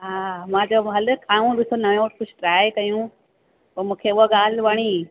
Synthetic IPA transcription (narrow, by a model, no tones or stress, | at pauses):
ɦaːmãːd͡ʑoɦɐlkʰaːũɗɪsonɐjõːʈkʊd͡ʑʱʈɾaːekɐjũ | pɐɾmũːkʰeʊɦaɠaːl̤ʋaɽ̃iː